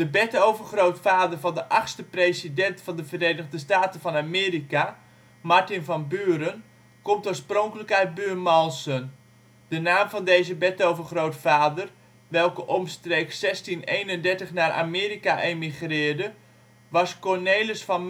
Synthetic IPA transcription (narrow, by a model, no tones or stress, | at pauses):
d̥əbɛtowvərχrowtfaːdərvɑndəʔaχxstəpresidɛntfɔndəvəreːnəɣdəstaːtənfɔnamɪːrika | maɹtɪnfɔnbyːəɾən | komtoːsproŋkələkɛjt̚byːmɔlˠsən | d̥ənaːmvɔndeːzəbɛtowvərχrowtfaːdər | ʋɛlˠkəʔɔmstreːksɛstinejnəndɛɹtəχnarʔa̰mɪːɾikaʔejmiχrɪːɹdə | ʋɔskɔɹneːləsfɔn